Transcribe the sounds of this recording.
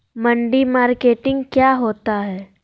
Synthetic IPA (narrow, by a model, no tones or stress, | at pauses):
mə̃ɳɖimaːɾkeːʈɪ̃ŋɡkjaːɦoːt̪aɦɛː